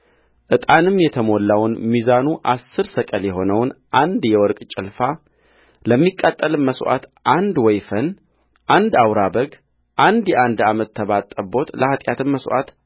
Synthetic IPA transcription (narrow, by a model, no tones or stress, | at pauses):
ʔɨt̪ʼanɨmːjɛt̪ʰəmo̞lːawnmizanuʔasːɨɾsəkʼəljɛɦo̞nəwnʔand̪jɛwɔɾkʼt͡ʃʼɪlfa | ləmːikʼːat̪ʼːəlməswʔa̰t̪ʔand̪wɔjfən | ʔand̪awɾabəɡ | ʔand̪jɛʔand̪amət̪ʰːəβat̪ʼːəbo̞t̪lʔəhat̪ʼjat̪ʰɨmmːəsʔa̰t̪